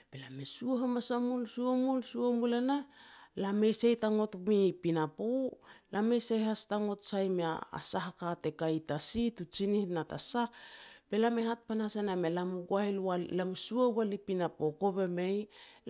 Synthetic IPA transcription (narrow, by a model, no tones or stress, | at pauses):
pelamesuoɦamasamulsuomulsuamulenalame̞jsejtaŋo̞tmipinapolame̞jsahastaŋo̞tsajmea̰a̰saɦakate̞kajtasitut͡ʃinihnatasape̞lame̞hat̚panasenamelamuɡwailalamusuawalipinapokoβeme̞j